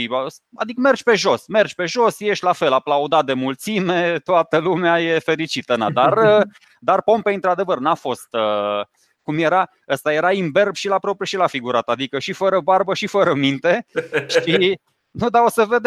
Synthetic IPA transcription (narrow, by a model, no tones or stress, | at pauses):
isa̰d̪ikəme̞rd͡ʒpe̞ʒo̞sme̞rd͡ʒpe̞ʒo̞sje̞ʃt̪lafe̞laplaud̪at̪̚d̪e̞mult̪sime̞t̪oat̪əlumeaje̞fe̞ɾit͡ʃit̪əna̰d̪arə | d̪arpo̞mpeɨnt̪ɾad̪e̞vərnafo̞st̪ə | kumje̞ɾa | əst̪aje̞ɾaimbe̞rbʃilapɾo̞pɾijuʃilafiɡuɾat̪ad̪ikəʃifəɾəbarbəʃifəɾəmint̪e̞ʃi | nud̪ao̞səve̞d̪e